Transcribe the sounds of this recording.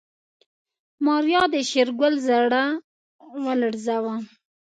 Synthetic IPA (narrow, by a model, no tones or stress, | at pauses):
mɑɾjɑd̪əʃeɾɡəlzaɽa | wələɽzawa